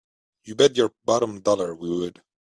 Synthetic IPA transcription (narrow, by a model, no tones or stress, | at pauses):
jɨbɛdjɔɹbɑɾə̃mdɔlˠə˞wiwəd̥